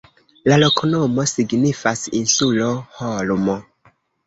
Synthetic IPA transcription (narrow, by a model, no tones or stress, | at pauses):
lalo̞konomo̞siɡnifasinsulo̞holmo